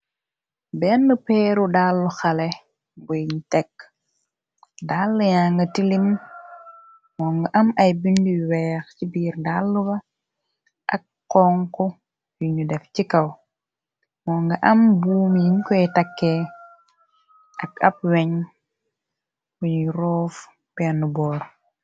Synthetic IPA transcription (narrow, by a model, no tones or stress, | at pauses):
bɛnːəpɛːɾudalːuxɐlɛ | bɔjɲutɛkː | dalːujaːŋɡɐtilim | mɔːŋɡɐʔɐmɐjbinduwɛːxcibiːɾdalːubɐ | ʔɐ̰kːɔŋkɔ | jiɲudɛfcikɐw | mɔŋɡɐʔɐmbuːmjiŋkɔɛtɐkːɛ | ʔɐk̚ɐ̰p̚wɛɲ | kujiɾɔːf | pɛnubɔːɾ